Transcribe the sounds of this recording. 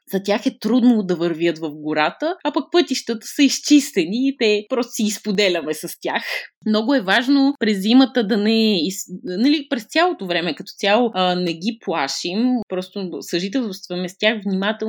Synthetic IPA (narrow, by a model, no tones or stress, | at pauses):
zɐt̪ʲaxɛt̪ɾud̪nod̪ɐvəɾviət̪vɐfɡʊɾat̪əapɐk̚pɤt̪iʃt̪ət̪ə̥sɐist͡ʃist̪ɛniːt̪ɛpɾɔst̪o̥siːspod̪ɛlʲɐmɛsɐst̪ʲjaxmnɔɡʊɛvaʒnopɾɛzːimət̪əd̪ɐnɛisnɐlipɾɛst̪ʲjalˠot̪ovɾɛmɛkɐt̪ɔ̥t̪sʲjalˠonɛɡiplˠaʃimpɾɔst̪osɐʒit̪̬ɛlˠst̪vɐmɛst̪ʲjaxvnʲimat̪ɛlˠ